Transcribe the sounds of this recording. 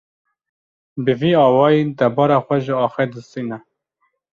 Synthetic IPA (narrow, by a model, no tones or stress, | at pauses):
bɨviːɑːwɑːjid̪ɛbɑːɾɑxʷɛʒɪɑːxɛd̪əsiːnɛ